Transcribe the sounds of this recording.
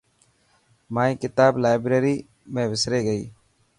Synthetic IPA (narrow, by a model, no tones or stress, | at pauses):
maːĩːkɪt̪aːblaːɪbɾeːɾiː | mẽːʋɪsɾeːɡəḭː